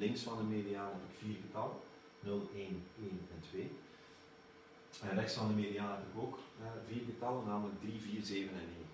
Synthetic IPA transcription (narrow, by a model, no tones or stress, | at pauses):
lɪŋksfɑndəmedijaːnəɦɛpləkv̥iːrɣətɑlˠə | nɵlˠeːneːnɛntweː | ɛnrɛxtsfɑndəmedijaːnəɦɛpələkoːkːviːrɡətɑlˠənaːmələɡ̚driviːrzeːvənɛneːn